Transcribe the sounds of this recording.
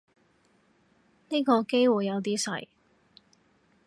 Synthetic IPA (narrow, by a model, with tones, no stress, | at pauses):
niː˥kɔː˧ke˥jwuː˨˩jːɐ˨˧wt̪̬iː˥sɐ̰˨˩j